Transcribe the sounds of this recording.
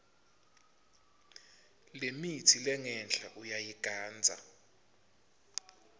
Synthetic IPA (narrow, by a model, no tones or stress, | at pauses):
lemitʰilɛŋɛnɬʰʼaʔujajiɡ̥ʱaːnd͡zʱa̰